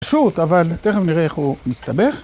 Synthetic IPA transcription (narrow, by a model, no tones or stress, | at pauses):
ʃut̪avalt̪eχemniʁeeχhumist̪abe̞χ